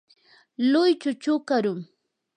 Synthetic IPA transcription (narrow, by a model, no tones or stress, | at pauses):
lʊjt͡ʃʊt͡ʃʊkaɾʊŋ